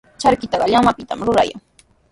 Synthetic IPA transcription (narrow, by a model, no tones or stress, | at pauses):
t͡ʃaɾkɪt̪ɑɢɑʎamapɪt̪amɾʊɾa̰ja̰ŋ